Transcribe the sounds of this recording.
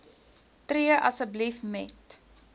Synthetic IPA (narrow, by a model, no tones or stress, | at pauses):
triəʔɐsəblifmɛt